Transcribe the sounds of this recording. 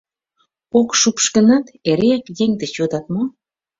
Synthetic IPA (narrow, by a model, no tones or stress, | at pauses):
okʃupʃkə̆nɑt̪eɾeækjeŋd̪et͡ɕod̪ɑt̪̚mo